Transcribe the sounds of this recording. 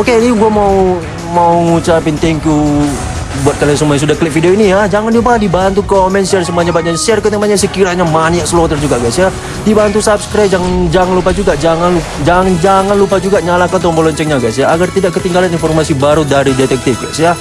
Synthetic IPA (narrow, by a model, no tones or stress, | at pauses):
oketiɡuamau | mauŋut͡ʃapint̪ɛŋkju | buat̪̚kalas̬əmuaɲasudakəlɪk̚fidioinijad͡ʒaŋandiupahadibant̪ukomɛnsiars̬əmuaɲabaɲasiarkət̪amaɲasəkiɾaɲamaniaʔsəlɔt̪ərd͡ʒuɡaɡasja | dibant̪usab̚skɾajp̚d͡ʒaŋnd͡ʒaŋanlupad͡ʒuɡad͡ʒaŋanlu | d͡ʒand͡ʒaŋanlupad͡ʒuɡaɲalakant̪̬ɔmbɔlɔɲt͡ʃɛk̚ɲaɡasjaːɡart̪idaʔkət̪iŋɡalaninfɔrmasibaɾudaɾidɛt̪ɛk̚t̪ɪk̚ɡa̰sja